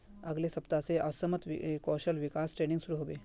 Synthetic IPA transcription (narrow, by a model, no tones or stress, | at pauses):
aɡlesəpt̪at͡seʔəsəmət̪ʋkɔɕəlʋikasʈɾeniŋɡsuɾuɦoʋe